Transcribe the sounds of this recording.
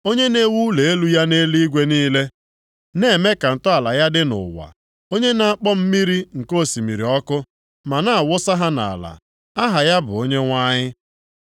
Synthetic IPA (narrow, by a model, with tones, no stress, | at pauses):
o˦ɲe˦ne˦wu˦le˨e˦lu˦ja˦ne˦li˦ɡʷe˦niː˦le˦ | ne˨˦˨me˦ka˨n̩˨tʊ˦a˨la˨ja˦dɪ˦nʊ̰˨wa̰˨ | o˦ɲe˦na˨a˨k͡pɔ˦m̩˦mi˦ɾi˦ŋ̩˨ko˦˨si˨mi˨ɾi˨ɔ˦kʊ˦ | ma˨na˦a˨wʊ˦sa˦ɦa˦na̰˨la̰˨ | a˦ɦa˨ja˦bʊ̰˨o˦ɲe˦ŋʷa˦ɲɪ˦